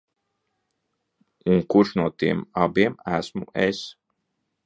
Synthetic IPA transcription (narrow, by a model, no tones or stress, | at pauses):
uŋkuɾʃnuɔt̪iɛmabiɛmæsmṵʔes